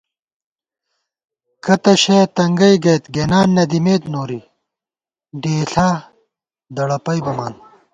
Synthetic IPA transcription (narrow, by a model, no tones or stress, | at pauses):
kɐt̪ɐɕet̪ɐŋɡɐjɡɐjt̪ɡeːnaːnːɐd̪imeːt̪noːɾi | ɖeːɬa | d̪ɐɽɐpɐjbɐmaːn